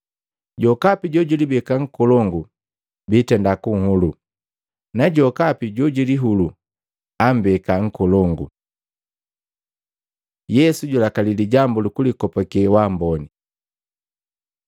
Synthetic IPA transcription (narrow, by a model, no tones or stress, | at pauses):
ɟɔkapiɟɔɟilibɛkaŋ̩kɔlɔŋɡu | bitɛndakuŋ̩hulu | naɟɔkapiɟɔɟiliɦulu | am̩bɛkaŋ̩kɔlɔŋɡu | jɛsuɟulakaliliɟambulukulikɔpɔkɛwambɔni